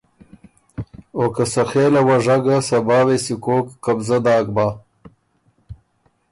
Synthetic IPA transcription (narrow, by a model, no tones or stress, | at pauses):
okasaxeːlawaʐaɡasabɑːwesikoːkːabzad̪ɑːɡ̚baː